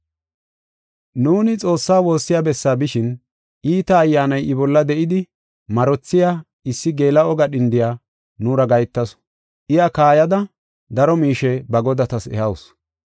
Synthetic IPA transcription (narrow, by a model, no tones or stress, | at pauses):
nuːnɪt͡sʼo̞ːsːaːwo̞ːsːɪjaːbɛsːaːbɪʃɪn | ʔiːt̪ɐːjːaːnɐjʔɪbɔlːɐd̪ɛʔɪd̪ɪ | mɐɾɔt͡sːɪjaː | ɪsːɪɡe̞ːlɐɔɡɐɗɪnd̪ɪjaː | nuːɾɐɡɐjt̪ːɐs | ʔɪjɐkaːjɐd̪ɐ | d̪ɐɾɔmiːʃɛbɐɡɔd̪ɐt̪ɐsɛ̰hɐws